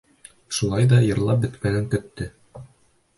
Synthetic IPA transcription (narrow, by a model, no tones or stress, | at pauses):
ʃulˠɑjðɑjɤ̆ɾlˠɑp̚bɘ̆t̪mænæŋkɵ̆t̪ːɘ